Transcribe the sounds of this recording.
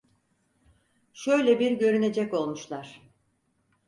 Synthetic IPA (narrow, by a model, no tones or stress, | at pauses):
ʃøjlʲɛbiɾɟø̞ɾyne̞d͡ʒɛco̞lˠmuʃlˠaɾ̥